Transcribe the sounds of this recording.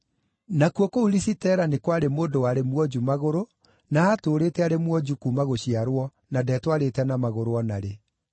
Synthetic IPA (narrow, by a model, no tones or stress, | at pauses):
nakwɔkouɾisitɛːɾanekwaɾemoːndowaɾemwɔd͡ʑumaɣoɾo | naatoːɾeːtɛaɾemwɔd͡ʑukumaɣoɕiaɾwɔ | nadɛːtwaɾetɛnamaɣoɾoɔnaɾe